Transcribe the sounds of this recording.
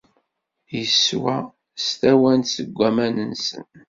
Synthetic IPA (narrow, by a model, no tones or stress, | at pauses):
jəswæ | st̪æwænsəɡʷːæmænənsə̰n